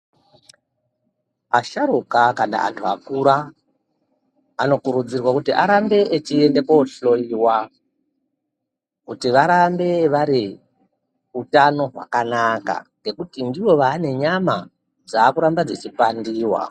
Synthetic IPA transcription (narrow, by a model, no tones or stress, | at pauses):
aʃaɾukakana̰ʔa̰ntʰuakuɾa | no̞kuɾud͡zirwakutiʔaɾambe̞ʔet͡ʃiende̞koɬo̞iwa | kutiʋaɾambe̞ʋaɾi | utano̞ɦwa̰kanaka̰ŋɡe̞kutindiwo̞ʋaːne̞ɲama | d͡zaːkuɾambad͡zet͡ʃipandiːwa̰